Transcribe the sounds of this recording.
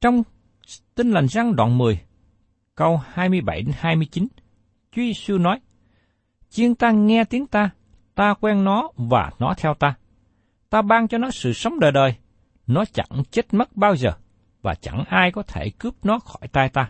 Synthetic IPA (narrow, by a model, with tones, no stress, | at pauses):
t͡ɕɔ˧wŋ͡m | t̪ï˧ŋ̟la˨˩jŋ̟za˧ŋɗwa̰ː˧˨nmɨ˨˩əj | kə˧whaː˧jmɨ˧əjɓa˧˩jɗe˨˦nhaː˧jmɨ˧əjt͡ɕi˨˦n | t͡ɕwi˧swu˧nɔ˨˦j | t͡ɕi˧əŋt̪aː˧ŋɛ˧t̪i˨˦əŋt̪aː˧ | t̪aː˧kwɛ˧nnɔ˨˦va̰ː˨˩nɔ˨˦t̪ʰɛ˧wt̪aː˧ | t̪aː˧ɓaː˧ŋt͡ɕɔ˧nɔ˨˦sɨ̰˧˨sə˨˦wŋ͡mɗəː˨˩jɗəː˨˩j | nɔ˨˦t͡ɕa̰˧˩ŋt͡ɕe˦˥t̚mə˦˥t̚ɓaː˧wzəː˨˩ | vaː˨˩t͡ɕa˧˩ŋʔaː˧jkɔ˨˦t̪ʰe˧˩kɨ˦˥əp̚nɔ˨˦xɔ˧˩jt̪aː˧jt̪aː˧